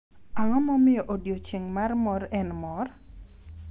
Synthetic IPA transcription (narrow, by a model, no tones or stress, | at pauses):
aŋɔmɔmɪoʔodjot͡ʃiŋmarmɔɾɛnmɔr